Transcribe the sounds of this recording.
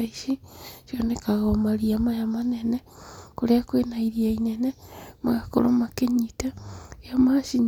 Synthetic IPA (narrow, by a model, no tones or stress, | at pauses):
iʃiʃjonekaɣamaɾiamajamanenekoɾeakwenaiɾiainenemɣako̰ɾo̰makeɲitajamaʃiɲ